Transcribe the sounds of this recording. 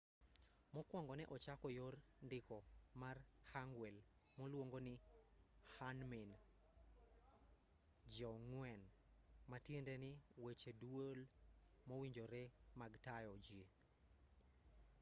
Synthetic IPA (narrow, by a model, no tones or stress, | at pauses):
mɔkwɔŋɡɔnɛʔɔt͡ʃakɔjor | ndɪkɔmarhaŋɡwel | mɔlwoŋɡonɪ | hanmin | d͡ʒɔŋwɛn | matjendenɪwet͡ʃedwol | mɔwiɲd͡ʒoɾemaɡtajɔd͡ʒi